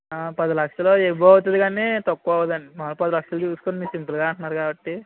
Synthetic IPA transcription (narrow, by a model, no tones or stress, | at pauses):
apɐd̪ɐlɐkʂɐloːebɐwt̪ɐd̪iɡaːneːt̪ɐkːuɐʋɐd̪ɐnimɐlpɐd̪ɐlɐkʂɐld͡ʒusukoːnimiːsimplɡaːɐɳʈunːaːɾukaːbɐʈːi